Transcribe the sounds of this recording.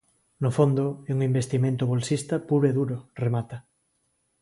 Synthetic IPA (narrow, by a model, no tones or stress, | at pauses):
nofond̪oeuŋimbest̪imẽnt̪oβolsist̪apuɾeðuɾoremat̪a